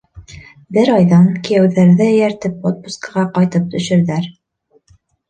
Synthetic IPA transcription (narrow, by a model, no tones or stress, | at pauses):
bɘɾɑjðɑnkĭjæwðæɾðɘjæɾt̪ɘp̚ot̪̚buskəʁɑqɑjt̪ɤp̚t̪ɵ̆ʃɘ̆ɾðæɾ